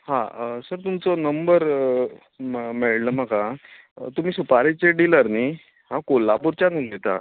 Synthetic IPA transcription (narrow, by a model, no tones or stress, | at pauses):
hã̰səɾt̪umt͡sɔnəmbəɾ | meɭləmaka | t̪um̤iːsupaɾit͡ɕeɖiləɾni | hãkolːapuɾt͡ɕaniɡet̪a̰